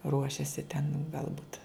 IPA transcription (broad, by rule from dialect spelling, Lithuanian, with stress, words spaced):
ˈruɔʃʲɛsʲɪ tʲɛn ɡɐlˠˈbʊt